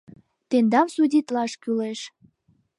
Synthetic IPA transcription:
t̪end̪ɑmsudʲit̪lɑʃkyleʃ

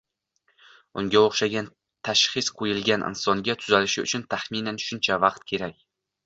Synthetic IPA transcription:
ʊŋɡʲaoχʃaɡʲan | t̪ʰaʃχɪsqʰojɪlˠɡʲanʔɪ̰nsɒŋɡʲat̪ʰʊzalɪʃɪʊ̰t͡ʃʰʊnt̪ʰaχminanʃʊnt͡ʃʰavɑq̚t̪̚kʲʰe̞ɾakʲ

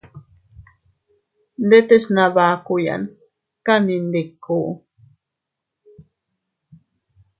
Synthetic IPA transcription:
nd̪et̪esnaβaːkuja̰n | kanind̪ekːuː

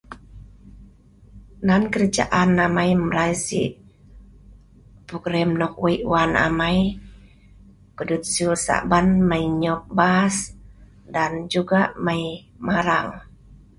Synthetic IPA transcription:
nankəɾəd͡ʒa̰ʔanːamajmɾajsḭʔ | puɡɾɛmnɔk̚weʔwana̰maj | kudut̪̚sulsa̰banmaiɲɔk̚bas | dand͡ʒuɡaʔmaj | maɾaŋ

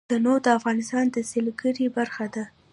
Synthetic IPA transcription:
anod̪əafɣɑnɪst̪ɑnd̪əselɡəɾibaɾxad̪a

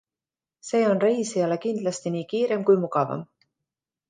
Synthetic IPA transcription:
se̞ːo̞nrejsiɑle̞kind̪lɑst̪iniːkiːɾe̞mkujmuɡɑvɑ̰m

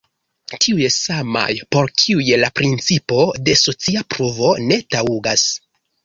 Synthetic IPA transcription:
tʰiujesama̰jpo̞ɾkʰiujelapɾint͡sipo̞de̞so̞t͡siapɾovo̞ne̞tauɡas

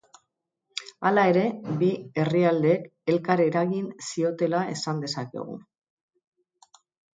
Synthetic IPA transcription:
alae̞ɾe̞bie̞riald̪e̞ːke̞lkaɾe̞ɾaɣinsio̞t̪e̞lae̞̰sand̪e̞sake̞̰ɣ̞ṵ

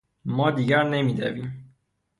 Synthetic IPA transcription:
mɒd̪iɡaɾnɛmid̪ɛ̰vim

